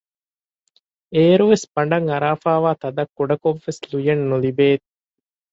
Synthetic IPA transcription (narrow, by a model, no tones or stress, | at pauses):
eːɾuʋesbɐɳɖɐŋɐɾaːfaːʋaːt̪ɐd̪ɐkːuɖɐkoʋːeslujɐnːulibeː